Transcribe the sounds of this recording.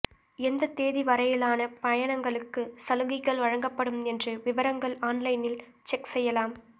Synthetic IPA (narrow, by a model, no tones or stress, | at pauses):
ɛnd̪ɐt̪ːeːðiʋɐɾɐjɪlaːnɐpɐjɐɳɐŋɡɐɭɯkːɯsɐlɯɣɪɣɐɭʋɐɻɐŋɡɐpːɐɽɯmɛndrɯʋɪʋɐɾɐŋɡɐɭaːnlɐɪnɪl | t͡ʃɛksɛjːɐlaːm